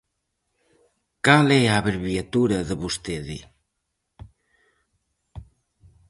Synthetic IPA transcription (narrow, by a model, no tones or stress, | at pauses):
kalɛaβəɾβiat̪uɾəðəβust̪eðḭ